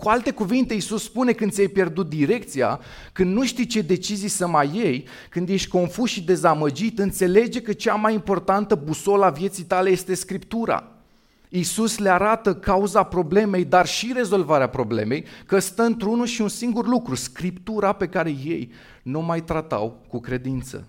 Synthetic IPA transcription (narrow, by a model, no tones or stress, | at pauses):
kualt̪e̞kuvint̪e̞isusspune̞kɨnd̪sijajpje̞rd̪ut̪̚d̪iɾe̞kt̪sija̰ | kɨnd̪nuʃt̪ijt͡ʃe̞d̪e̞t͡ʃizijsəmaje̞j | kɨnd̪je̞ʃt̪ʲko̞nfusʃid̪e̞zaməd͡ʒit̪ɨnt̪se̞le̞d͡ʒe̞kət͡ʃamajimpo̞rt̪ant̪əbuso̞lavje̞t̪sijt̪ale̞je̞st̪e̞skɾipt̪uɾa̰ | isusleaɾat̪əkauzapɾo̞ble̞me̞jd̪arʃiɾe̞zo̞lvaɾeapɾo̞ble̞̰me̞jkəst̪əɨnt̪ɾunulʃiunsiŋɡurlukɾuskɾipt̪uɾape̞kaɾe̞je̞̰j | numajt̪ɾat̪a̰wkukɾe̞d̪int̪sə̰